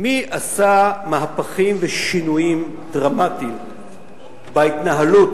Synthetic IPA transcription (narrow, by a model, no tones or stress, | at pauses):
miʔasamaɦapaχimveʃinujim | dʁamatim | bait̪naɦalut